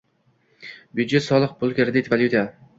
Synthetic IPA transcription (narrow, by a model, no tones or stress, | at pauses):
bjud̪d͡ʒet̪sɒlˠɨq̚bʊlˠkʲeɾd̪et̪valʲjut̪ija